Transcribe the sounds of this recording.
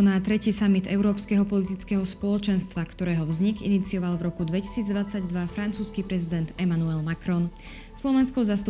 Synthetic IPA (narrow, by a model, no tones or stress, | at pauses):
ɔnaːt̪ɾɛciːsamit̪ɛʊɾɔːpskɛɦɔpɔlit̪it͡skɛːɦɔspɔlɔt͡ʃɛnst̪ʋakt̪ɔɾɛːɦɔvzɲiɡḭnit͡siɔʋalʋɾɔkud̪ʋɛci̥siːd͡zd̪ʋat͡saɟd̪ʋafɾant͡suːskipɾɛzid̪ɛnd̪ɛmanuɛlmakɾɔn | slɔʋɛnskɔzast̪u